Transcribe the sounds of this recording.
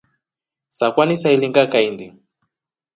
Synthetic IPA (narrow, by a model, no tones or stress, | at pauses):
sakʷanisailiŋɡakajnd̪i